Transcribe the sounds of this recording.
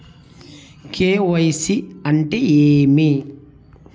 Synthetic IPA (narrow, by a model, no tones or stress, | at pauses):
kʰeːwɐjsiɐnʈɛjeːme